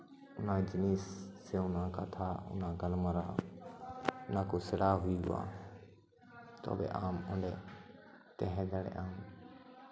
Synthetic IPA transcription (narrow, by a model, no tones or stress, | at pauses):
ʊnãːd͡ʒɪniːsː | eːʊnãːka̰t̪ʰaːʊ̰nãːɡəlmaɾaː | ʊnãːkoːsəɽaːɦʊiːɡʊ̰a̰ː | t̪o̰ːbḛːʔaːmʊ̃ɳɖeː | t̪ɛɦẽːd̪aːɽḛːʔaːm